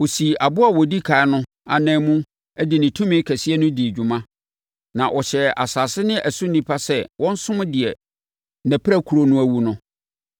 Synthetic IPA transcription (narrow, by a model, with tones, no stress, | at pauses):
wo˨si˨a˨bʊ˦a˨wɔ˨di˦kʰa˨ɪ˦nʊ̃˦ | a̰˨nɛ̃ː˦mũ˦ | ɛ˦dɪ˨nɪ̃˨tʰũ˦mɪ̃˦kʰæ˨si˦ɛ˦nʊ̃˦dɪ˨d͡ʑᶣu˨mã˦ | nã˨ʔɔ˨ɕɛ˨a̰˨saː˨sɪ˦nɪ̃˦ʔæ˨sũ˦n̩˦nĩ˦pʰa˦sɛ˦wʔɔ̃˦n̩˦sʊ̃˦m˦dɪ˨ɛ˨ | næ˨pʰɾæ˦kʰu˨ɾo˦nʊ̃˦æ˦wu˨˦nʊ̃˦